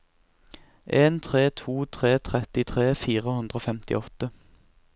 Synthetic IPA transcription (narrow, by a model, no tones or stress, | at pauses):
ʔeːnt̪ʰʁeːt̪ʰuːt̪ʰʁeːt̪ʰʁɛt̪ɪt̪ʰʁeːfiːʁəhʉnd̪ʁoːfɛmt̪ɪ̰ɔt̪ə